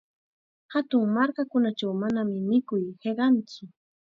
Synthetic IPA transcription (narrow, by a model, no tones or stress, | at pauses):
hat̪ʊŋmaɾkakʊnat͡ʃawmanamɪmɪkʊjɢeɢɑnt͡sʊ